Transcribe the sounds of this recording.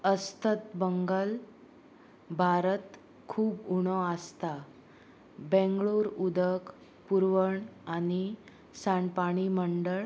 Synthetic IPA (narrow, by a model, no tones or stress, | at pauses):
əst̪ət̪bəŋɡəl | bʱaɾət̪ | kʰuːbuɽ̃ɔəst̪a | bɛ̃ŋɡɭoɾud̪ək | puɾʋəɳani | saɳɖpaɽ̃iməɳɖəɭ